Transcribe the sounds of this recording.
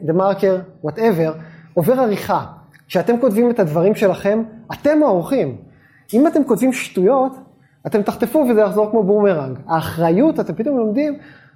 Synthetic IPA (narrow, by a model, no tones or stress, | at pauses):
d̪emaʁkeʁwateve̞ʁo̞ve̞ʁaʁiχa | ʃeate̞mko̞tvime̞tadvaʁimʃe̞laχe̞mate̞mooʁχim | imat̪e̞mko̞tvimʃtujo̞t | ate̞mt̪aχt̪e̞fuvezejaχzo̞ʁkmo̞bumeʁaŋɡaːχʁajutat̪e̞mpit̪o̞mlo̞mdim